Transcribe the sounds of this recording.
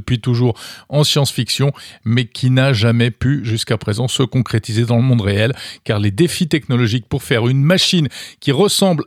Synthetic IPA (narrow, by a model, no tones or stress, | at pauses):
əpɥit̪uʒuʁɑ̃sjɑ̃sfiksjɔ̃mɛkʲʰinaʒamɛpyʒyskapχezɑ̃səkɔ̃kχet̪ized̪ɑ̃ləmɔ̃d̪ʁeɛlkaʁled̪efit̪ɛknɔlɔʒik̚puʁfɛʁynmaʃinkʲiʁəsɑ̃bl